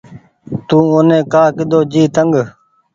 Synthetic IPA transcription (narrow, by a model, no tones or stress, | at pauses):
t̪ũːonẽːkaːkɪd̪oːd͡ʒiːt̪əŋɡ